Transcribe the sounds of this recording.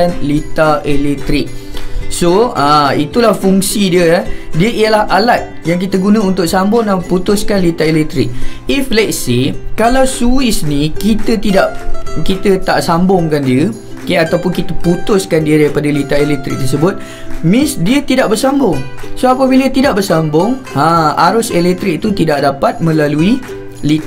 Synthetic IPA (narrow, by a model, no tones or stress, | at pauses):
anlit̪aʔelɛk̚t̪ɾɪk̚soəit̪ulahfuŋsidiəadiəʔijəlahalat̪̚jaŋk̬it̪əɡunə̃unt̪ʊksambʊŋaput̪ʊskanlit̪aelɛk̚t̪ɾɪk̚iflɛt̪̚sekalawsuisnikit̪ət̪idaʔkit̪ət̪aʔsambʊŋkandiə | okeat̪awpʊnkit̪əput̪ʊskandiədajpadəlit̪aelɛk̚t̪ɾɪ̰k̚t̪ərs̬əbʊt̪̚ | mɪ̃sdiət̪idaʔbərsambʊŋsoapəbilət̪idaʔ̚bərsambʊŋãaɾʊselɛk̚t̪ɾɪk̚t̪ut̪idaʔdapat̪̚mə̃lalui | lit̪a